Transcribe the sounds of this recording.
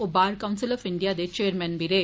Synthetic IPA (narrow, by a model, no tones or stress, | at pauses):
obaːɾkɐʊnsɪlɔfɪɳɖijaːd̪et͡ʃeːɾmɐ̃nbiɾe